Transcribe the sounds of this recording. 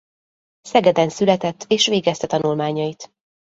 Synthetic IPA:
sɛɡɛd̪ɛnsylɛt̪ɛt̪ːeːʃʋeːɡɛst̪ɛt̪ɒnulmaːɲɒjit̪

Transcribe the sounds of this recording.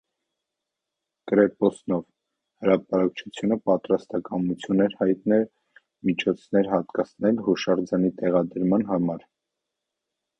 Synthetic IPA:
kɾɛpɔsnɔv | həɾɑpɑɾɑk̚t͡ʃʰut͡sʰjunəpɑt̪ɾɑst̪ɑkɑmut͡sʰjunɛɾhɑjt̪nɛl | mit͡ʃʰɔt͡sʰnɛɾɦɑt̪kɑt͡sʰnɛlhuʃɑɾd͡zɑnit̪ɛʁɑd̪əɾmɑnɦɑmɑɾ

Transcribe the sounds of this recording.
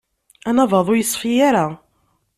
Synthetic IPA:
ænɑvɑðˤʊjəsˤːfijaɾa

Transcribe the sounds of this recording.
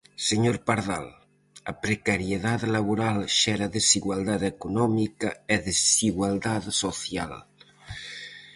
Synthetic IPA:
seɲoɾpaɾða̰l | a̰pɾekaɾjeðaðlaβuɾalʃɛɾaðeziɣwalˠd̪aðekunɔmikaeðessiɣwalˠd̪aðsoθja̰l

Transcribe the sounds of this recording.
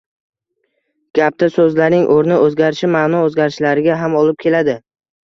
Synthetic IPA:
ɡ̥ʲap̚t̪asɵzlaɾnɪŋʔoɾnɪʔɵzɡʲaɾɪʃɪmaːnɒozɡʲaɾɪʃlaɾɪɡʲaɦamɒlˠɪp̚kʲʰe̞lad̪ɪ

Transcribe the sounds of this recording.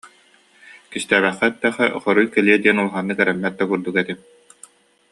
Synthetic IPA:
kist̪æːbɛχːɛt̪ːɛχɛ̰χɔɾujkɛliɛd̪iɛnulˠχanːɯkɛɾɛmːɛt̪̚d̪ɐkuɾd̪ukɛt̪i

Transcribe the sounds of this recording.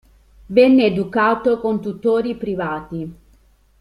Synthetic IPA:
vɛnːeːd̪ukaːt̪okont̪ut̪oːɾipɾivaːt̪i

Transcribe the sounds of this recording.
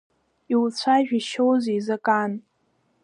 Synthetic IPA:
iwt͡sʷʰaʒᶣiʃowzijzakʼan

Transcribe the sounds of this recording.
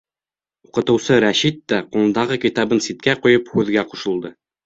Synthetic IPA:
uqɤ̆t̪ɤ̆wsɤɾæɕit̪ːæqulˠɤ̆nd̪ɑʁɤkit̪ɑbɤnsit̪̚kæqujɤphʉðɡæquʃɤ̆lˠd̪ɤ

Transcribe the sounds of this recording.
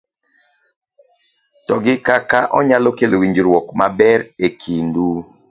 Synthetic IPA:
tɔɡɪkakaʔɔ̰ɲalɔkelowiɲd͡ʒiɾwɔkmabɛɾekʰindu

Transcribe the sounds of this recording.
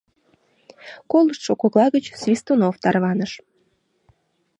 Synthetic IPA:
koləʃt̪ʃokoɣlˠɑɣət͡ɕsvʲist̪onoft̪ɑrβɑnəʃ

